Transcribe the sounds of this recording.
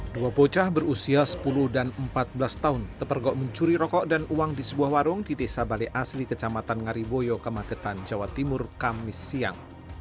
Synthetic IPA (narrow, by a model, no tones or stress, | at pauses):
duapot͡ʃahbərusiasə̥pulʊhdanəmpat̪̚bəlast̪aʊnt̪əpərɡɔʔməɲt͡ʃuɾiɾɔkɔʔdanuwaŋdisəbuahwaɾʊŋdidesabaleʔaslikət͡ʃamat̪anŋaɾibojokəmakət̪and͡ʒawat̪imʊrkamɪsːia̰ŋ